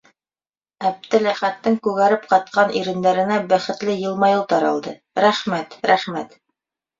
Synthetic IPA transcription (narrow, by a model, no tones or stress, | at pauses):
æb̚d̪ɘlæχæt̪ːɘŋkʉɣæɾɘp̚qɑt̪̚qɑnʔiɾɘ̆nd̪æɾɘ̆næbæχɘ̆t̪lɘjɤ̆lˠmɑjɤlˠt̪ɑɾɑ̰lˠd̪ɤ | ɾæχmæt̪ɾæχmæt̪